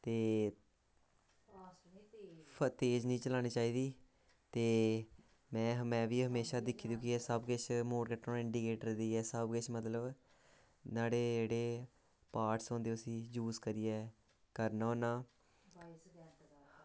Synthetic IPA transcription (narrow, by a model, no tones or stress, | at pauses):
t̪eː | pt̪eːd͡ʒnĩːt͡ʃəlaːɽ̃iːt͡ʃaːiːd̪iː | t̪eː | mɛ̃ːɦmɛ̃ːʋiːɦəmeːʃaːd̪ɪkʰːiːd̪jũːkɪɛːsəbɡɪt͡ʃmoːɾkəʈːõːɪɳɖiːkeːʈəɾd̪iːɛːsəbɡɪt͡ʃʰmət̪ləb | naːɽeːd͡ʒeːɽeː | paːʈsõːnd̪eːʊsĩːd͡ʒuːzkəɾiːɛː | kəɾnaoːnaː